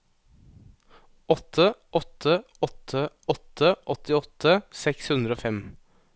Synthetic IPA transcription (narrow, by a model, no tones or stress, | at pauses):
ɔt̪ʰəɔt̪ʰːə | ɔt̪ʰə | ɔt̪ʰːəʔɔt̪ɪɔt̪ʰəsɛkshʉnd̪ɾoːfɛm